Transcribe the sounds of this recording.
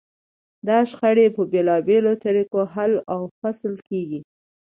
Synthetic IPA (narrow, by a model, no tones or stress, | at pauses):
d̪ɑʃxaɽepəbelɑbelot̪aɾikoɦalawfaslkeɡi